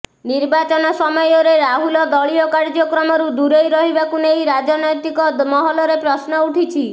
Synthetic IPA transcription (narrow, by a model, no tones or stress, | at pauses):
niɾbat͡ʃɔnɔsɔmɔjɔɾeɾaɦulɔd̪ɔɭiɔkaɾd͡ʒɔkɾɔmɔɾud̪uɾejɾɔɦibakunejɾad͡ʒɔnɔjt̪ikɔd̪mɔɦɔlɔɾepɾɔsnɔuʈʰit͡ʃʰi